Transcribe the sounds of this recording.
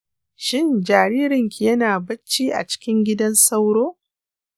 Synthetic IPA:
ʃɪ˦˨nd͡ʒaː˨ɾiː˦ɾɪ˨ŋkʲi˨jɐ˦naː˨bɐ˦t͡ʃːiː˦ʔa̰˨t͡ʃɪ̥˦kʲɪ˦ŋɡʲɪ˦dɐ˦nsɐ˦wɽoː˦

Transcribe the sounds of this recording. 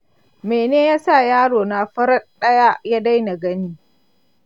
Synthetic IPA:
meː˨neː˦jaː˦sa˦˨jaː˦ɽoː˨na˨ɸɐ˦ɾɐ˦ɗɐ˦ja˦ja˦da˦jna˨ɡɐ˦niː˦

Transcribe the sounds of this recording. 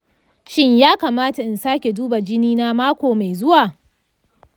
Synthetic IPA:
ʃɪ˦ɲjaː˦kaː˨maː˦ta˨ʔɪ˨nsaː˦kʲe˨duː˦ba˨d͡ʒɪ˦niː˦na˦maː˦kʷoː˨ma˨jzʊ˦waː˨

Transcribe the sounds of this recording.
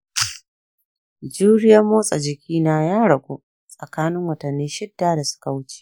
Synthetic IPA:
d͡ʒuː˦ɽɪ˦jɐ˦moː˦sʼɐ˨d͡ʒɪ˨kʲiː˦naː˦jaː˦ɽɐ˨ɡʷoː˦ | ssʼɐ˨kaː˦nɪ˦ŋwɐ˨tɐ˨nːiː˦ʃɪ˦dːaː˦da˨sʊ̥˦ka˨wʊ˦t͡ʃe̥˦

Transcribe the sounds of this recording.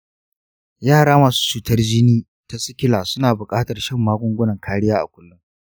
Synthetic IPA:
jaː˦˨ɽaː˦maː˨su̥ː˦t͡ʃuː˨tɐ˦rd͡ʒɪ˦niː˦ | ta˦sɪ˦kʲɪ˦laː˨sʊ˦naː˨bʊ˨kʼaː˦tɐ˨rʃɐ˦˨mːaː˦ɡʷʊ˦ŋɡʷʊ˦nɐ˨ŋkʰaː˦ɽɪ˦jaː˦ʔa̰˨kʷʊ˦lːʊ˦ŋ

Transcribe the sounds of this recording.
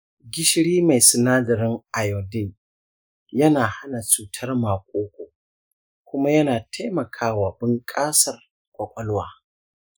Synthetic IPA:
ɡʲɪ˦ʃɽiː˦ma˨jsɪ˨naː˦dɐ˨ɾɪ˦ŋʔa˨jɔ˨dɪ˦˨n | jɐ˦naː˨ha˦na˨t͡ʃuː˨tʰɐ˦rmaː˨kʷʼoː˦kʷoː˨ | kʷʊ˦ma˦jɐ˦naː˨tʰa˦jmɐ˨kʰaː˦waː˨bɪ˦ŋkʼaː˦sɐ˨r | kʷʼɐ˨kʷʼɔ˦lwaː˦

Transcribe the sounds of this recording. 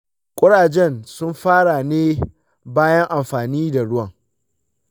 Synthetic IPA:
kʷʼʊ˦ɽaː˨d͡ʒɛ˦˨nsʊ˦mɸaː˦ɽa˨neː˦ | baː˦jɐ˦ŋʔa˨mɸaː˨niː˦da˨ɽʊ˦wɐ˨ŋ

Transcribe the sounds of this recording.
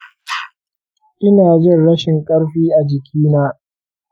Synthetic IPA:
ʔɪ˦naː˨d͡ʒɪ˦˨nɽɐ˦ʃɪ˨ŋkʼɐ˦ɽɸiː˦ʔa˨d͡ʒɪ˨kʲʰiː˦naː˦

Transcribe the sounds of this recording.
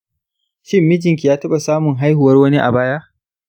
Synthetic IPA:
ʃɪ˦mːɪ˦d͡ʒɪ˨ŋk̬ʲi˨jaː˦tɐ˦ɓa˨saː˦mʊ˨ŋɦa˦jhu˨wɐ˦rwɐ˦ni˦ʔa̰˨baː˦ja˦ʔ

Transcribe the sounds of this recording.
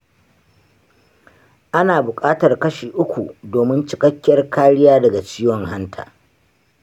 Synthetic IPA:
ʔa˦naː˨bʊ˨kʼaː˦tɐ˨rkɐ˦ʃiː˨ʔʊ˦kʷu˨doː˨mɪ˦nt͡ʃɪ̥˦kɐ˦kʲːɐ˦rkʰaː˦ɽɪ˦jaː˦dɐ˨ɡa˨t͡ʃiː˦wɔ˨ŋha˦ntʰa̰ː˨

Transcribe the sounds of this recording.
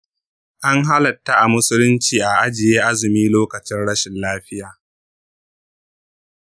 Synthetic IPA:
ʔa˦ŋɦa˦lɐ˨tːa˦ʔa˨mʊ˦sʊ˦lʊ˦nt͡ʃiː˨ʔa˨ʔa˦d͡ʒɪ˨jeː˦ʔa˦zɪ˨miː˦loː˦kɐ˨t͡ʃɪ˦nɽɐ˦ʃɪ˨nlaː˦ɸɪ˦jaː˨

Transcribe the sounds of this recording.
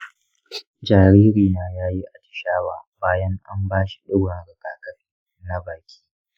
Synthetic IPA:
d͡ʒaː˨ɾiː˦ɾiː˨naː˦jaː˦ji˦ʔa˨tɪ̥˨ʃaː˦waː˨baː˦jɐ˦ŋʔa̰˦mbaː˦ʃi̥˨ɗɪ˦ɽɐ˨nɽɐ˨kaː˨kɐ˦r | na˦baː˨kʲi̥ː˦

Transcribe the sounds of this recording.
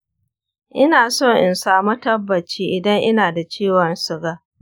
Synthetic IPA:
ʔɪ˦naː˨so˦˨ŋʔɪ˨nsaː˨mu˦tɐ˦bːɐ˨t͡ʃiː˦ʔɪ˨dɐ˦ŋʔɪ˦naː˨da˨t͡ʃeː˦˨wɔ˨nsʊ˨ɡaː˦

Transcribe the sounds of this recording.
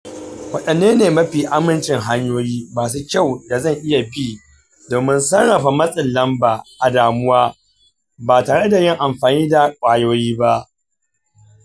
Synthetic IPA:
wɐ˦ɗɐ˨nːeː˦neː˨mɐ˦ɸiː˨ʔa˦mɪ˦˨nt͡ʃɪ˨ŋɦa˦ɲjoː˦jiː˦maː˨s̬u˦kʲa˦˨wda˨zɐ˦˨ŋʔɪ˦ja˨biː˦ | doː˨mɪ˦nsɐ˦ŋɽɐ˨ɸa˨mɐ˦sʼɪ˨nlɐ˦mbaː˨ʔa˨daː˨mʊ˦waː˦ | baː˨taː˨ɽe˦da˨jɪ˦ŋʔa˨mɸaː˨niː˦da˨kʷʼaː˨joː˦jiː˦ba˦ʔ

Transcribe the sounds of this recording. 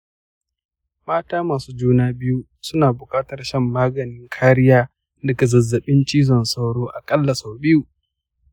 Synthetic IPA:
maː˦taː˦maː˨suː˦d͡ʒuː˦naː˦bɪ˦ju˦ | sʊ˦naː˨bʊ˨kʼaː˦tɐ˨rʃɐ˦mːaː˦ɡɐ˨nɪ˦ŋkʰaː˦ɾɪ˦jaː˦ | dɐ˨ka˨zɐ˨zːɐ˨ɓɪ˦nt͡ʃʼiː˦zɔ˨nsa˦wɽoː˦ʔa˨kʼɐ˦lːa˨sa˨wbɪ˦juː˨

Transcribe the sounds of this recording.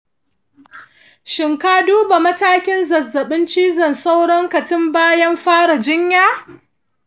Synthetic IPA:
ʃɪ˨ŋkaː˦duː˦ba˨mɐ˦taː˦kʲɪ˦nzɐ˨zːɐ˨ɓɪ˦nt͡ʃiː˦zɐ˨nsa˦wɽɔ˦ŋkɐ˨tɪ˦mbaː˦jɐ˦mɸaː˦ɽa˨d͡ʒɪ˦ɲjaː˦

